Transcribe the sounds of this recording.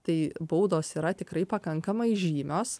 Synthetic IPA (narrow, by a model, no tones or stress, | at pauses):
t̪ɐɪbɐʊd̪oːsiːɾɐt̪ʲɪkɾɐɪpɐkɐŋkɐmɐɪʒʲiːmʲoːs